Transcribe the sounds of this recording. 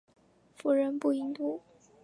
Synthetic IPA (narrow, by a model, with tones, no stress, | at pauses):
fu˨˥ɻə˧˥npu˥˩i˧˥ŋt̪u˥˩